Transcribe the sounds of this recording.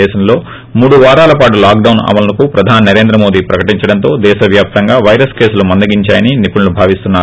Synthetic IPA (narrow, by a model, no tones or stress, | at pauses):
ɛːʃɐmlo̞ː | muːɽuʋaːɾaːlɐpaːʈ̬ulaːk̚ɖɐwnɐ̰mɐlɐnɐkupɾɐd̪ʱaːninɐɾe̞ːnd̪ɾɐmo̞ːd̪iːpɾɐkɐʈiɲt͡ʃɐɽɐnt̪o̞ːd̪ɛːʃɐʋjaːp̚t̪ɐŋɡaːʋɐjɾɐske̞ːsulumɐnd̪ɐɡiɲt͡ʃaːjɐninipuɳlubʱaːʋist̪unːaː